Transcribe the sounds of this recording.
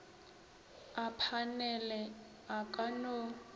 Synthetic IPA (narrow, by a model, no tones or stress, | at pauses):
apʰanɛlɛ | akʼano